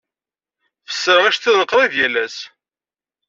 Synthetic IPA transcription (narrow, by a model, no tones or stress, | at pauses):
fə̥sːəɾæʃθiðəqɾˤiðjælæs